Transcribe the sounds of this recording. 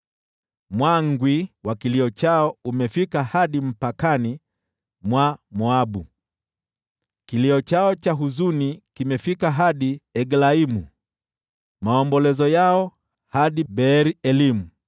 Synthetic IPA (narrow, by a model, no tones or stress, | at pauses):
mwaŋɡwiwakiliɔt͡ʃaɔumɛfikahaɗim̩pakani | mwamuaɓu | kiliɔt͡ʃaɔt͡ʃaɦuzunikimɛfikaɦaɗiɛɡlaimu | maɔmbɔlɛzɔjaɔ | haɗiɓɛɾiɛlimu